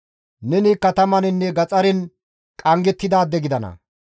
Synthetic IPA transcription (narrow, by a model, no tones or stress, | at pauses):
nɛnikːɐt̪ɐmɐnɪnːɛɡɐt͡sʼɐɾɪn | kʼɐŋɡɛt̪ːɪd̪aːd̪ːɛɡɪd̪ɐnɐ̰